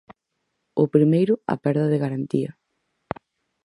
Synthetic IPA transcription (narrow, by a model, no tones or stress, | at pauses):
ʊpɾimejɾʊɐ̰pɛɾðɐðeɣaɾant̪iɐ